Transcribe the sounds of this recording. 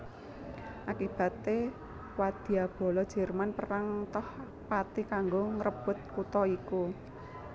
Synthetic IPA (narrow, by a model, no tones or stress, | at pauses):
ʔakib̥a̤t̪e | wad̪̥i̤ab̥o̤lɔd̥ʒ̥ɛ̤rmanpəɾaŋt̪ɔh | pat̪ikaŋɡoŋɾəb̥ʊ̤t̪̚kut̪ɔiku